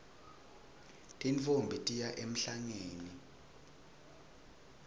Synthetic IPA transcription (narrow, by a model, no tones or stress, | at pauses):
tʼinfombʱitʼijaʔem̩ɬaŋeːni